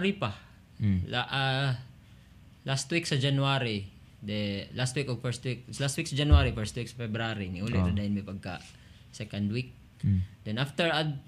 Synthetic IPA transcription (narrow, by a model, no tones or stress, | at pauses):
ɾipɐ | laʔa | last̪wiksɐd͡ʒɐnʊaɾi | d̪ɛlast̪wikofɛɹst̪wik̚last̪wik̚sɐd͡ʒɐnuwaːɾifɛɹst̪wiksɐfɛbɾaɾinɪʔulɛɐd̪ajɪnmipɐɡ̚kɐ̰ | sɛkɐnd̪wik̚ | d̪ɛnʔaft̪ɛɹɐd̪